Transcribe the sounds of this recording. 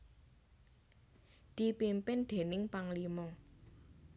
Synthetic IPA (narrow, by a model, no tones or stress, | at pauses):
d̪̥i̤pimpɪnd̪̥e̤nɪŋpaŋlimɔ